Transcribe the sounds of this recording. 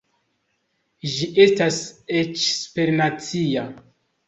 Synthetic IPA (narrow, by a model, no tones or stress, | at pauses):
ʒiʔe̞staset͡ʃspeɾnat͡sia